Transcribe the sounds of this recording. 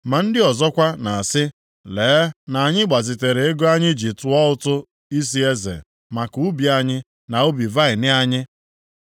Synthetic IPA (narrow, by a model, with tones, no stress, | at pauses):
ma˨n̩˦dɪ˦ɔ˨zɔ˦kʷa˦na˨a˨sɪ˦ | leː˨˦na˨a˨ɲɪ˦ɡ͡ba˨zi˨te˨ɾe˨e˦ɡo˦a˦ɲɪ˦d͡ʒi˨tʊ˨ɔ˦ʊ˦tʊ˦ | i˦s̬i˦e˦zḛ˨ | ma˨ku˨˦bi˨a˦ɲɪ˦ | na˨o˦bi˨va˦ɪ˨nɪ˦a˦ɲɪ˦